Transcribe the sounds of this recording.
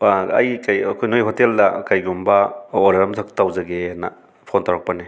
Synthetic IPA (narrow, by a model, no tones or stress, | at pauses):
ɐjkajɐkʰojnojɦoteldɐkajɡumbɐoɾeɾɐmtʰɐk̚tawzɐɡenɐ̰ | pʰontawɾɐk̚pɐne